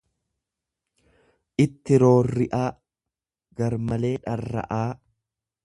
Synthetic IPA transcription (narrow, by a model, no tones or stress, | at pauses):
ʔɪt̪ːɪɾo̞ːrːɪʔaː | ɡɐɾmɐle̞ːᶑɐrːɐ̰ʔaː